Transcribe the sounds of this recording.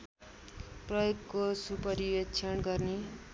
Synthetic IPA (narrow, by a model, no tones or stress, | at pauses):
prʌjoɡkosupʌɾiwet͡sʰʌnɡʌrne